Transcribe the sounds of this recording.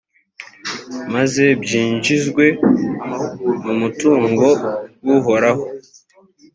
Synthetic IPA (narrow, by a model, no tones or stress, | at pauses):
maze̞bjiːɲd͡ʒizɡwe̞ | mumutuːŋɡo̞wuɦo̞ɾaɦo